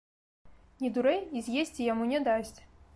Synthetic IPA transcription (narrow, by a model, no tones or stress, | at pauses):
nʲid̪uɾɛjizʲjesʲt͡sʲijamunʲɛd̪asʲt͡sʲ